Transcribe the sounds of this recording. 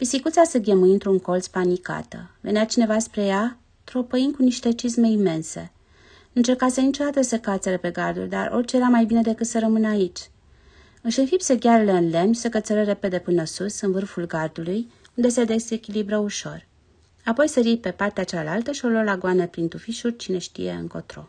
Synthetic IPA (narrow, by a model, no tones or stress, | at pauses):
pisikut̪sasəɡʲemujɨnt̪ɾuŋko̞lt̪spanika̰t̪ə̰ve̞neat͡ʃine̞vaspɾe̞ja | t̪ɾo̞pəinkuniʃt̪e̞t͡ʃisme̞ime̞nse̞ | nuɨnt͡ʃe̞rkasənit͡ʃo̞d̪at̪əsekat̪seɾəpe̞ɡard̪ṵlʲd̪a̰ro̞̰rt͡ʃejeɾamajbined̪e̞kɨt̪səɾəmɨnəait͡ʃʲ | ɨʃɨnfipsəɡʲaɾləɨnle̞mnʲsəkət̪seɾəɾe̞pe̞d̪e̞pɨnəsusɨnvɨrfulɡard̪uluj | und̪e̞sed̪e̞sekʲilibɾəuʃo̞̰r | apo̞jseɾipe̞part̪eat͡ʃalalt̪əʃio̞lolaɡoanəpɾint̪ufiʃult͡ʃine̞ʃt̪ḭje̞̰ɨ̰ŋko̞̰t̪ɾo̞̰